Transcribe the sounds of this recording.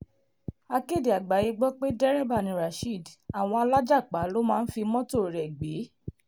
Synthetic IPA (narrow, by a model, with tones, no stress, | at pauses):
a˧ke˦˨di˨a˨ɡ͡ba˨˦je˧ɡ͡bɔ˦k͡pe˦dɛ˦ɾɛ˦ba˦˨nĩ˨˦ɾa˨ʃi˦˨da˨w̃ɔ̃˧a˧la˦d͡ʒa˦˨k͡pa˨˦lo˦mãː˦˧n̩˦fi˧mɔ̃˦to˦˨ɾɛ˨ɡ͡be˨˦